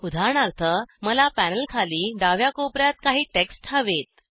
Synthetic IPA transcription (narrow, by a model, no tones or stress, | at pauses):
ud̪ʱaɳ̃aɾt̪ʰəməlapænəlkʰaliːɖaʋjakopɾjat̪̚kaɦiːʈeksʈʰaʋet̪̚